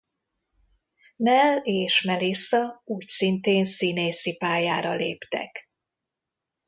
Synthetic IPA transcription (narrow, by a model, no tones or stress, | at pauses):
nɛleːʃmɛlesɒuːcsint̪eːnsineːsipaːjaːɾɒleːpt̪ɛ̰k